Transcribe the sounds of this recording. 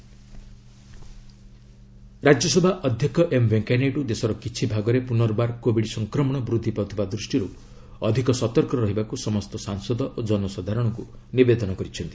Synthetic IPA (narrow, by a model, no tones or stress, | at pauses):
ɾad͡ʒjɔsɔbʱaʔɔd̪ʱjɔkɔʔembʱeŋkaneʈud̪esɔɾɔkit͡ʃʰibʱaɡɔɾepunɔɾɔbaɾkobiɽsɔŋkɾɔmɔɽ̃ɔbɾud̪ʱːipawt̪ʰibad̪ɾusʈiɾu | ɔd̪ʱikɔsɔt̪ɔɾkɔɾɔɦibakusɔmɔst̪ɔsaŋsɔd̪ɔʔod͡ʒɔnɔsɔd̪ʱaɾɔɽ̃ɔkunibed̪ɔnɔkɔɾit͡ʃʰɔnt̪i̥